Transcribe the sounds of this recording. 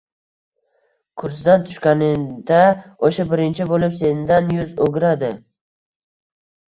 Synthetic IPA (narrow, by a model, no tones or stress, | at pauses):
kʰʊɾsɪd̪ant̪ʰʊ̥ʃkʲanɪd̪aoʃabɪɾɪnt͡ʃʰɪbolɪpse̞nd̪anjʊzoɡʲɾad̪ɪ